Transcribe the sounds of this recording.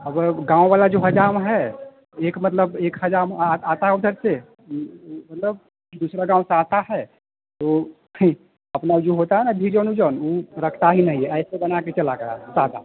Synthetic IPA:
əbɡãːw̃ʋalad͡ʒoɦɐd͡ʒaːɾmɦɛ | eːkmət̪ləbeːkɦɐd͡ʒaːɾmat̪aud̪ʱəɾse | mɐt̪ləb̚ | d̪uːsɾaɡãːʊ̃seaːt̪aɦɛ | t̪o | ɐpnad͡ʒoɦot̪aɦɛnabʱid͡ʒɔːnud͡ʒɔːnoɾəkʰt̪aɦinəɦĩɦɛɛːsebɐnaket͡ʃɐlaɡəja̰sat̪a̰

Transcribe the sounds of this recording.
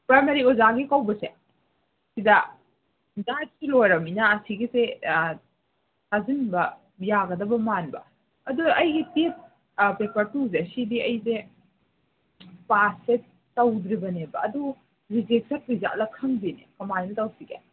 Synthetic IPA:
pɾajmɐɾiozaɡikawbɐse | sidɐ | dat̚silojɾɐminaːsiɡise | sazinbɐ | jaɡɐdɐbɐmanbɐ̰ | ɐduʔɐjɡites | pepɐɾtus̬esidiɐjse | pase | tɐwdɾibɐnebɐːdu | ɾid͡ʒek̚tɐɾpiza̰ʔlɐkʰɐŋbinekɐmannɐtɐwsiɡe

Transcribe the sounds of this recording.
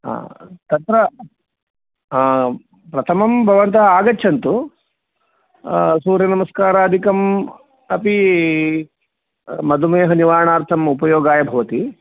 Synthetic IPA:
a̰t̪ɐnt̪ɾɐ | pɾɐt̪ʰɐmɐmbʱɐʋɐnt̪ɐɦɐaːɡɐtːʃʰɐnt̪u | suːɾjɐnɐmɐskaːɾaɐd̪ʱikɐm | ɐpi | mɐd̪ʱumeːɦɐniʋaːɾɳaːɾt̪ʰɐmupɐjoːɡaːjɐbʱɐʋɐt̪i

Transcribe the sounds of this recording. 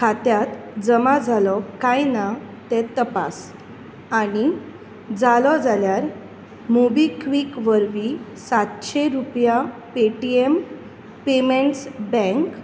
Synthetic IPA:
kʰat̪jat̪d͡zəmad͡zʱalɔkajnat̪ɛt̪əpa̰s | aɽ̃i | d͡zalɔd͡zaljaɾ | mobikʋikʋəɾʋisat̪ɕeɾupjapeʈiem | pemeɳʈsbɛ̃ŋk

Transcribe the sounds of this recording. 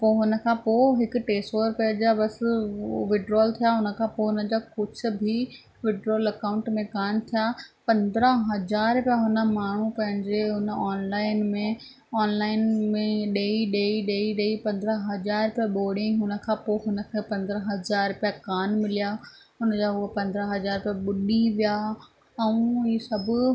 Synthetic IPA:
poːɦʊnə̆kʰãːpoːɦɪkʊ̆ʈeːsʈoːɾpɐd͡ʑabɐs | ʋɪɖɾoːlt̪ʰijaɦʊnə̆kʰãːpoɦʊnə̆d͡ʑaːkʊt͡ɕʰʊ̆bʱi | ʋɪɖɾoːlɐkaːʊ̃ɳʈmẽkaːnt̪ʰijaːpɐ̃nd̪ɾəɦɐzaːɾpijaɦʊnə̆maːɳ̤upɐ̃ɦɪ̃ɲd͡ʑeɦʊnəɔːnlaːɪnmẽ | ɔːnlaːɪnmẽɗeːiɗeːiɗeːiɗeːipɐ̃nd̪ɾəɦɐzaːɾpjaɓoːɽĩɦʊnə̆kʰãːpoːɦʊnə̆kʰẽpɐ̃nd̪əɾəɦɐzaːɾpijakaːnmɪlijaː | ɦʊnəd͡ʑaːɦʊəpɐ̃nd̪ɾəɦɐzaːɾpijaɓʊɗiʋija | ɛ̃ũiːsɐbʱʊ

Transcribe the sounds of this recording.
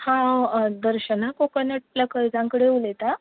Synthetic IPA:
hãd̪əɾɕənakokənəʈ̚ləkəjd͡zãŋkəɽeulet̪a

